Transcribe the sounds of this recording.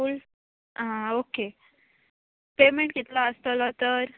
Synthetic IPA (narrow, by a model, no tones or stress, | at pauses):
uːl | ãoke | pemeɳʈkit̪laəst̪əlɔt̪əɾ